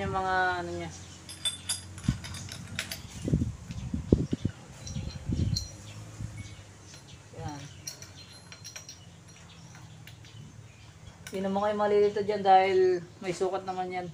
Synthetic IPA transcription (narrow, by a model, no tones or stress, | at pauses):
aŋmɐŋaɐnoɲa | jan | ʔɪnɐmoŋajʊmalilit̪ɐd͡ʒand̪aːhɪlmɐjsuːkɐt̪nɐmanjan